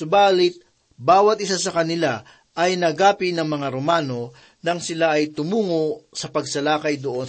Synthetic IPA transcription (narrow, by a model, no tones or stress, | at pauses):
sʊbaːlɪt̪̚ | baːwɐt̪̚ʔɪsasɐkɐnɪla | ʔɐjnɐɡaːpɪnɐŋmɐŋaɾomaːno̞ | nɐŋsɪlaʔɐjt̪ʊmuːŋosɐpɐɡ̚sɐlaːkɐjd̪oʔo̞n